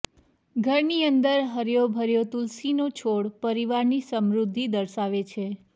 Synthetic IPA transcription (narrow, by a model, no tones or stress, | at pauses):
ɡʱəɾniənd̪əɾɦəɾjobʱəɾjot̪ulsinot͡ʃʰoɽpəɾiʋaɾnisəmɾud̪ʱːid̪əɾʃaʋet͡ʃʰe